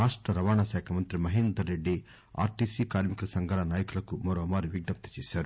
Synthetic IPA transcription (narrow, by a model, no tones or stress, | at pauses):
aːʂʈɾɐɾɐʋaːɳaʃɛːkʰɐmɐnt̪ɾimɐɦind̪ɐɾeɖːi | a̰ːɾʈiːsikaːɾmikɐlɐsɐŋɡʱɐlɐnaːjɐkulɐkumɔːɾoːmaːɾiʋiɡnɐp̚t̪ɐ̥t͡ʃeːʃaːɾu